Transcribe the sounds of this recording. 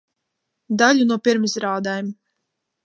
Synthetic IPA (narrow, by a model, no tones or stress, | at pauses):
d̪alʲunuɔpiɾmisɾaːd̪ajm